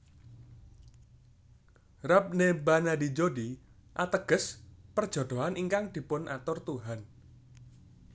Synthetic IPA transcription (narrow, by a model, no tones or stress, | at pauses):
rap̚nebanad̪i̤d͡ʒodi | ʔat̪əɡ̥əspərd̥ʒ̥o̤d̪̥o̤ɦanʔiŋkaŋd̪̥i̤pʊnʔa̰t̪ʊrt̪uɦan